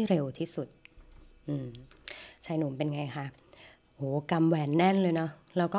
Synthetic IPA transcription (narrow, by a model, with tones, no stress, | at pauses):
jɾe˧wt̪ʰiː˥˩su˨˩t̪̚ʔɯː˧m | t͡ɕʰa˧jnuː˩˦mpe˧nŋa˧jkʰa˥˩ | ʔoː˨˩˦ka˧mwɛː˧˩nːɛ˥˩˨nlɤː˧jnɔ˦˥ | ɾaː˦˧˥wkɔː˥˩